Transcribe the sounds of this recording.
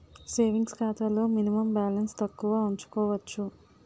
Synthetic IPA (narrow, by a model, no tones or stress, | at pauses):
seːʋiŋɡskʰaːt̪ɐlo̞ːminimɐmbaːlɐnst̪ɐkːuʋaːuɲt͡ʃu̥kɔːʋɐt͡ʃːu